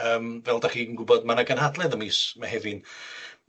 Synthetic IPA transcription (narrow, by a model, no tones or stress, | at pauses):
əːmvɛlˠdaχiːnɡʊbɔdmanaɡənhadlˠɛðəmiːsmahɛvɪn